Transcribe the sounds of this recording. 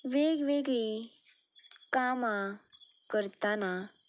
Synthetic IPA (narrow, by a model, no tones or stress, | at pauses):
ʋeɡʋeɡɭi | kamãkəɾt̪ana